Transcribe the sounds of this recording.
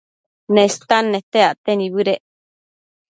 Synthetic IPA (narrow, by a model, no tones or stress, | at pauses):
nẽst̪anːet̪eaʔt̪eniβɨɾeʔ